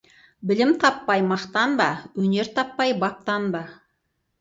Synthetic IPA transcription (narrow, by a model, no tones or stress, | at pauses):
bɪlɪmt̪ʰɑpːɑjmɑqt̪ɑnbɑwɵne̞ɾt̪ʰɑpːɑjbɑp̚t̪ɑnbɑ